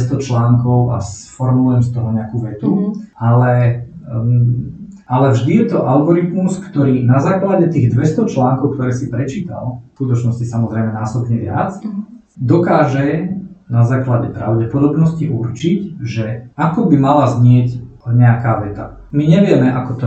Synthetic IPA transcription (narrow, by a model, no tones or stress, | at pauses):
ɛst̪ɔt͡ʃlaːŋkɔʊa̰sfɔɾmuluɛmst̪ɔɦɔɲɛakuːʋɛt̪ualɛ | alɛvʒd̪ijɛt̪ɔʔalɡɔɾit̪muskt̪ɔɾiːnazaːklaɟɛt̪iːɣd̪ʋɛst̪ɔt͡ʃlaːŋkɔʊkt̪ɔɾɛːsipɾɛt͡ʃiːt̪a̰lfkut̪ɔt͡ʃnɔscisamɔzɾɛjmɛnaːsɔbɲɛʋɪa̰t͡s | d̪ɔkaːʒɛnazaːklaɟɛpɾa̰ʊɟɛpɔd̪ɔbnɔsciʔuɾt͡ʃicʒɛakɔbimalazɲɪɛcɲɛakaːʋɛt̪a̰ | miɲɛʋɪɛmɛʔakɔt̪ɔ